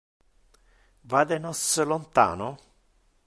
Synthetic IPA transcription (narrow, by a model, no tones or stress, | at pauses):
vad̪enɔsəlont̪a̰ːno